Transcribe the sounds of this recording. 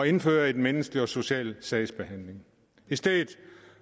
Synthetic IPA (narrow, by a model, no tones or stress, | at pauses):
ɒ̽e̝nføːɐe̝dmenəsɡ̥liɒ̽so̝ɕɛ̰ːlsɛɪsb̥e̝ɦæn̰le̝ŋ | isd̥ɛðð̩ˠ